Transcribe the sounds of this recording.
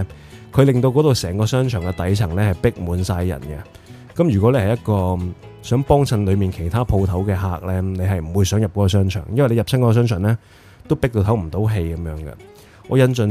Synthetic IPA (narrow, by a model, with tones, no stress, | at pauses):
kʰɵ˨˧ɥlɪ˨ŋt̪o˧wkɔː˨˥t̪o˨wsɛː˨˩ŋkɔː˧sœː˥ŋt͡ʃʰœː˨˩ŋkɛ˧t̪ɐ˨˥jt͡sʰɐ˨˩ŋlɛː˥hɐ˨jpɪ˥k̚muː˨˧nsaː˧jːɐ̰˨˩nkɛ˧ | kɐ˨˥mjyː˨kɔː˨˥le˧jhɐ˨˩jɐ˥t̚kɔː˧ | sœː˨˥ŋpɔː˥ŋt͡sʰɐ˧nlɵ˨˧ɥmiː˨˩nkʰe˨˩jt̪ʰaː˥pʰo˧wt̪ʰɐ˨˥wkɛː˧ɦaː˨˩k̚lɛː˥ne˨˧ɦɐ˨jm̩˨˩wuː˨˧jsœː˨˥ŋjɐ˨p̚kɔː˨˥kɔː˧sœː˥ŋt͡ʃʰœ̰ː˨˩ŋjnwjle˧jɐ˨p̚sʰɐ˥nkɔ˧˥kːsœː˥ŋt͡ʃʰːnlɛː˥ | t̪o˥wpɪ˥k̚t̪o˧wt̪ʰɐ˨˥wm̩˨˩t̪o˨˥wɦe˧jkɐ˨˦mjœː˨˥ŋɡɐ̰˧ | ŋɔ̰ː˨˧jɐ˧nt͡ʃn